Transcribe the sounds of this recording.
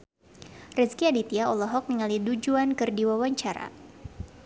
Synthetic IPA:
rɛskiadit̪iaɔlɔɦɔk̚nəŋalidud͡ʒuankɨrdiwawaɲt͡ʃaɾa̰

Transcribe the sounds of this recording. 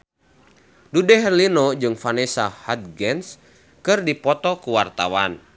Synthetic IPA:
dudɛɦɛrlinɔd͡ʒɨŋfanɛsahat̪̚ɡɛns | kɨrdipɔt̪ɔkuwart̪a̰wan

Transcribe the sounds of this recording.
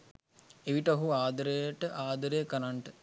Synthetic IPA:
eʋiʈɐɦuaːd̪əɾejʈəʔaːd̪əɾejkɐnaɳʈə

